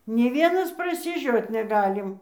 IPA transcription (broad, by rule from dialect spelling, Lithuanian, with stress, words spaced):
nʲeː ˈʋʲiɛnɐs prɐsʲɪˈʒʲoːt nʲɛˈɡɑːlʲɪm